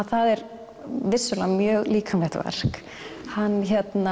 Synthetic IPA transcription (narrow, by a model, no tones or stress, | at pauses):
θaðɛɾ | vɪsːʏlamjœːɣliːkʰanvɛht̪va̰r̥k | hanːçɛt̪na